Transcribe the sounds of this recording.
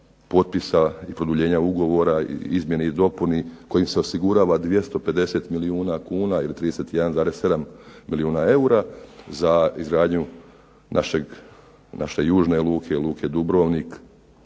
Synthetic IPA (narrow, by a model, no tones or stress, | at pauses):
po̞t̪̚pisaipɾod̪uʎe̞ːɲauɡo̞ʋo̞ɾaḭizmjeneid̪o̞puniko̞jimse̞o̞siɡuɾaːʋad̪ʋje̞st̪o̞pe̞d̪e̞se̞ːt̪miliuːnakuːnailit̪ɾiːd̪eset̪ijd̪anzaːɾe̞sse̞d̪ammiliuːnae̞uɾazaizɡɾaːd̪ɲu | nʔa̰ʃeɡ | na̰ʃe̞juːʒne̞lˠuːkʰe̞lˠuːkʰe̞d̪ubɾo̞ːʋnik